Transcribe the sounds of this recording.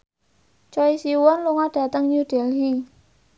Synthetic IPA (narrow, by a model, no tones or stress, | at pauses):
t͡ʃɔisiwɔnluŋaɖ̥ä̤t̪əŋɲuɖ̥ɛ̤lɦi